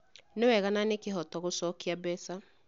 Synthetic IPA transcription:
newɛɣananekeɦɔtɔɣosɔːkiabɛsa

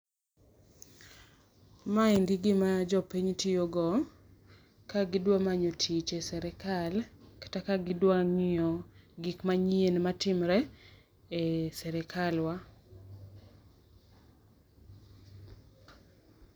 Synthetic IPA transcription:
maɪndɪɡɪmad͡ʒɔpiɲtijoɡɔ | kaɡɪdwamaɲotʰit͡ʃesɛɾɛkalkḁtakaɡɪdwaŋɪɔɡikmaɲienmatɪmɾɛ | esɛɾɛkalwa

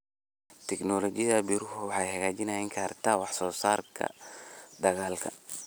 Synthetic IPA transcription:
t̪ʰɛknɔːlɔt͡ʃɪjɐðɐbiːɾʊɦʊwɑħɑjhɐɣaːt͡ʃɪnɐjɪŋkʰaːrt̪ʰaːwɑħsɔːsaːrkʰɐ̰d̪ɐɣaːlkʰɐ

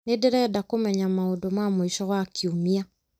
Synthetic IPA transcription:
nedeɾɛdakomɛɲamaodomamoiʃɔɣwakiomia

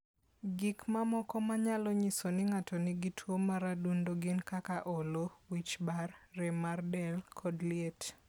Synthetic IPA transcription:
ɡɪkmamɔkɔmaɲalɔɲisonɪŋatɔnɪɡɪtʰwomaɾadundoɡɪnkakaʔolowit͡ʃbarːemardɛlkʰɔdlɪet

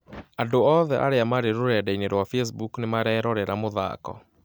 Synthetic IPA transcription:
andoɔðɛʔa̰ɾeamaɾeɾoɾɛadaineɾwafɛs̬buknemaɾɛɛɾɔɾɛɾamoða̰kɔ̰

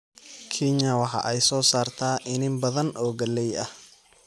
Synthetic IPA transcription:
kʰɪɲɐwɑħɑ̰ʔɛjsɔːsaːrt̪ʰaːʔɪnɪmbɐðɐnʔɔːɡɐlɛjɐh

